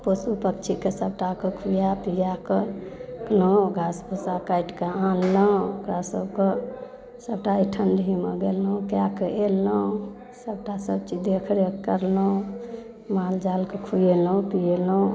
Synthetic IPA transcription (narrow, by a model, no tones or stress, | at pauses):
posupəkt͡ʃʰikesəb̚ʈakekʰujapijakəkloũɡʱasposakajʈkeãnlə̃okɾasəbke | səbʈaiʈʰənɖɦimeɡelũkjakəʔeləũ | səb̚ʈasəbt͡ʃid̪ekʰɾekəɾləũ | mald͡ʒalkekʰujelũpijelə̃